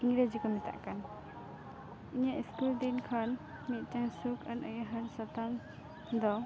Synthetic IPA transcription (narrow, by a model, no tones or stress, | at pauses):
iŋɡɾed͡ʒikɔmit̪a̰ʔkan | iɲaʔiskuld̪inkʰan | mit̪̚taŋsukʰanəjaɦənsɔt̪am | d̪ɔ